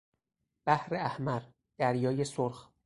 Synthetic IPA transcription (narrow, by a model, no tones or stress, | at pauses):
b̥æhɾeæhmæɾ | d̪̥æɾjɒːjesoɾx